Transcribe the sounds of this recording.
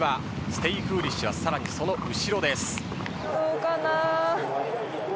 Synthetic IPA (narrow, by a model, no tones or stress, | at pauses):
βa | sɨ̥t̪e̞ikɯ̟ːɾʲiɕɨβasaɾaɲ̟iso̞no̞ʔɯ̟ɕiɾo̞d̪e̞sɨ̥ | oːkanaː